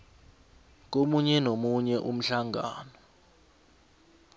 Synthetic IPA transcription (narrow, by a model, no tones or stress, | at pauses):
k̬ʼomuɲɛnomuɲɛʔum̩ɬaŋaːnɔ